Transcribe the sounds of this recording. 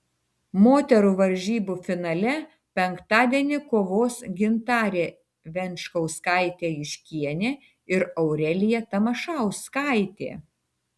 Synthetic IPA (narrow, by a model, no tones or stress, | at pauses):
moːt̪ʲɛɾuːʋɐɾʲʒʲiːbuːfʲɪnɐlʲɛ | pʲɛŋkt̪ɑːd̪ʲiɛnʲɪkoːʋoːsɡʲɪnt̪ɑːɾʲeː | ʋʲɛnʲʃkɐʊskɑˑɪt̪ʲeːɪʃʲkʲiɛnʲeː | ɪɾɐʊɾʲɛlʲɪjɛt̪ɐmɐʃɑˑʊskɑˑɪt̪ʲḛː